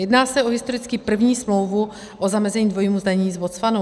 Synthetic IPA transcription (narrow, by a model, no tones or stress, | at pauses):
jɛdnaːsɛʔoɦɪst̪o̞ɾɪt͡skipr̩vɲiːsmlowvu | ʔozamɛzɛɲiːdvo̞jiːmuzd̪aɲɛɲiːzvot͡sfano